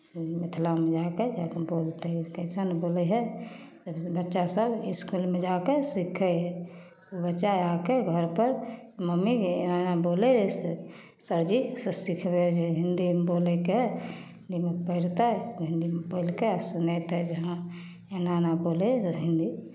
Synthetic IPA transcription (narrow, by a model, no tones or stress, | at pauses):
met̪ʰlamẽd͡ʒaked͡ʒakeboːlt̪kəɪsanboːleɦɛsəbbətːʃasəbɪskulmẽd͡ʒaːkesikʰəɦɛ | obətːʃaaːkeɡʱəɾpəɾməmienaːnaboːlelese | səɾd͡ʒissikʰbed͡ʒeɦɪnd̪iboːlekeɦɛɪnd̪imepəɪɾt̪aɦɛɦɪ̃nd̪imepəɪlkesʊnet̪ɦɛd͡ʒəɦã | enanaboːleɦɪ̃nd̪i